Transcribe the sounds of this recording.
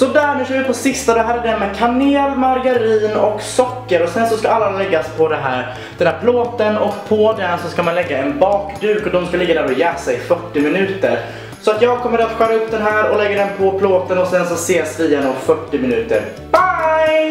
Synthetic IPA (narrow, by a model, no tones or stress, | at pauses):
sɔd̪æɾmʉʃœːɾvɪpʰɔsɪst̪ad̪ɔɦæːɾɛɖɛmɛkʰaneːlmaɾɡaɾiːnɔksɔkːəɾɔsɛnsɔskaalːalɛɡːaspʰɔd̪ɛɦæ̰ːɾ | d̪̥ɛnhæːɾpʰloːt̪ənɔkpʰɔd̪ɛnsɔskamanlɛɡːaɛnbɑːkd̪ʉ̟ːkɔd̪ɔmskalɪɡːad̪æːɾɔjɛːsaɪfœʈːɪmɪnʉ̟ːt̪əɾ | sɔat̪jɑːɡ̚kʰɔmːəɾat̪ɧœɾaɵp̚ːd̪ɛnɦæːɾɔlɛɡːəɖɛnpʰɔpʰloːt̪ənɔsɛnsɔseːsvɪjɛnɔfœʈːɪmɪnʉ̟ːt̪ə̰ɾ | b̥aj